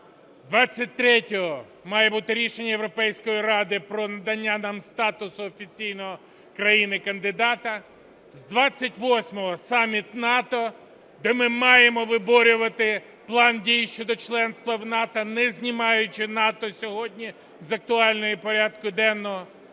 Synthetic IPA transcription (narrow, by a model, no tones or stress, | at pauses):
d̪ʋɑt͡sʲːɐt̚ʲt̪ɾɛtʲɔɦɔ | mɑjɛbut̪ɪɾʲiʃenʲːɐjewɾɔpɛjsʲkɔjiɾɑd̪ɪpɾɔnɐd̪ɐnʲːanɑmst̪ɑt̪ʊsʊːfʲit͡sʲijnɔɦɔ | kɾɐjinɪkɐnd̪ɪd̪ɑt̪ɐ | zd̪ʋɑt͡sʲːɐtʲʋɔsʲmɔɦɔsɑmʲit̪nɑt̪ɔ | d̪ɛmɪmɑjemɔʋɪbɔɾʲʊʋɐt̪ɪ | plˠɑndʲijʃt͡ʃɔd̪ɔt͡ʃlˠɛnst̪ʋɐwnɑt̪ɐnɛzʲnʲimɑjʊt͡ʃɪnɑt̪ɔsʲɔɦɔdʲnʲi | zɐk̚t̪ʊɑlʲnɔjipɔɾʲad̪kʊd̪ɛnːɔɦɔ